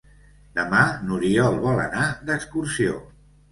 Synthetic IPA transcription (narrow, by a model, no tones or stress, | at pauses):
d̪̥əmanuɾiɔlˠβɔlə̰nad̪əkskursio̰